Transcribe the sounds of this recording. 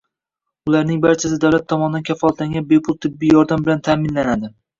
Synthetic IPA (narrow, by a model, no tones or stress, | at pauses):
ʊlaɾnɪŋbaɾt͡ʃʰas̬ɪd̪awlat̪ʰːɒmɒnɪd̪ankʰʲafɒlˠat̪laŋɡʲanbe̞pʰʊlˠt̪ʰɪbːijɒɾd̪ambɪlant̪ʰaːmɪnlanad̪ɪ